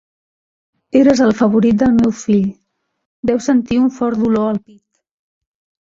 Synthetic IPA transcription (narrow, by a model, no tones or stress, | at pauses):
eɾəzəlˠfəβuɾit̪̚d̪əlˠmewfiʎ | d̪ɛwsənt̪iuɱfɔɾd̪uloəlˠpit̪